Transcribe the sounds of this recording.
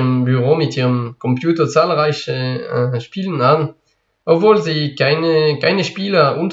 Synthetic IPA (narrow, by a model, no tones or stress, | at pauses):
əmbyʁoːmɪtiːʁəmkʰɔmpjuːtɐt͡saːlʁaɪçəʃpiːlənan | ʔopv̥oːlziːkaɪnəkaɪnəʃpiːlɐʔunt